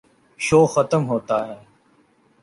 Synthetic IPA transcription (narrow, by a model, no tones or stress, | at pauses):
ʃoːxət̪əmɦoːt̪aːɦɛː